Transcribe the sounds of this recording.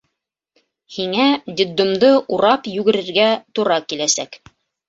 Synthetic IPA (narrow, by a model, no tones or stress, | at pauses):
hiŋæd̪ʲid̪ːŏmd̪ɤʔuɾɑpjʉɡɘ̆ɾɘ̆ɾɡæt̪uɾɑkilæsæk